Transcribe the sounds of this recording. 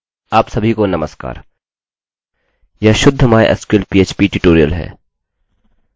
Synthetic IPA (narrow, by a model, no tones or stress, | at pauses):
aːpsɐbʱikonɐməska̰ːɾ | jaʃʊd̪ʱːmaːj̰ʔɐ̰skɪlpiːeːt͡ʃpiʈɪʈoːɾijə̰lɦɛ̰ː